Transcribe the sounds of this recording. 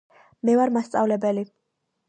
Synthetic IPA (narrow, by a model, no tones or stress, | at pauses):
mɛvaɾmast̪sʼavlɛbɛli